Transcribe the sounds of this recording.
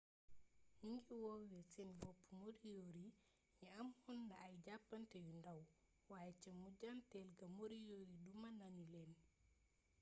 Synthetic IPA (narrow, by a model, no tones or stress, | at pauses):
hiŋɡiwowɛsɛnbɔpːumoɾijoɾi | jɛamhunːaːjɟapːantɛjundaw | wajɛt͡ʃɛmuɟantɛlɡamoɾijoɾidumananulɛn